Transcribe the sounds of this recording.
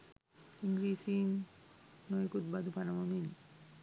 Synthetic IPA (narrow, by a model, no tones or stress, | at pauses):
iŋɡɾisiŋ | nojekut̪̚bad̪upʰanamamin